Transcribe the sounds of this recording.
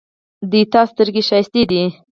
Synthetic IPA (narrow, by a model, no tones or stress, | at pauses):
d̪it̪ɑst̪əɾɡeʃɑjɪst̪id̪i